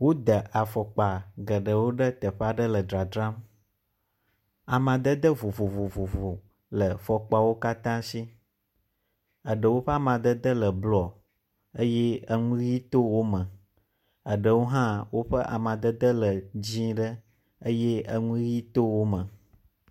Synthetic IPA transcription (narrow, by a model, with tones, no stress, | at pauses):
wo˦d̪ə˨ʔa˨fɔ˨k͡pa˨ɡə˨ɖə˨wo˦ɖə˦t̪ə˨ɸa˦ɖə˦lə˨d̪ɾa˨d̪ɾã˦m | a˨mã˨d̪ə˦d̪ə˦vo˨vo˨vo˨vo˨vo˨ | lə˨fɔ˨k͡pa˨wo˦ka˦t̪ã˦si˦ | ə˨ɖə˨wo˦ɸə˦a˦mã˨d̪ə˦d̪ə˦lə˨blɔ˨ | ə˦jɛ˦ə˦ŋũ˦ɣi˦t̪o˦wo˦mə̃˨ | ə˨ɖə˨wo˦ɦã˦wo˦ɸə˦ʔa̰˨mã˨d̪ə˦d̪ə˦lə˨d͡ʑĩ˦ɖə˦ | ə˦jɛ˦ə˦ŋũ˦ɣi˦t̪o˦wo˦mə̃˨